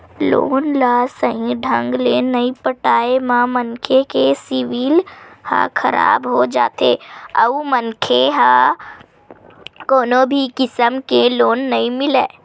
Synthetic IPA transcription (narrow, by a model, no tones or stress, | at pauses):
lo̰ːnlaːsəɦĩɖʱə̃ŋɡlenɐĩpəʈaːemãmənkʰekesɪʋiːlhã̰kʰɐɾa̰ːbɦod͡ʒa̰ːt̪ḛə̰umənkʰeɦaː | koːnobʱikɪsəmkeloːnːɐĩmɪleː